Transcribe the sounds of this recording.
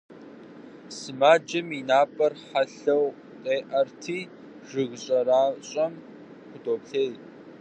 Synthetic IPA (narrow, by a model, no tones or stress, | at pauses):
sɨmaːd͡ʒɐminaːpʼɐrħaɬɐw | qʼeːʔɐrtʰiː | ʐ̥ɨɣɕʼɐɾaːɕʼɐm | χʷʊdoːpɬeːj